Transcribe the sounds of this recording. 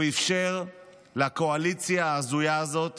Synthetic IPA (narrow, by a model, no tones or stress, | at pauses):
ifʃe̞ʁ | lako̞alit͡sjaːzujaːzo̞t̪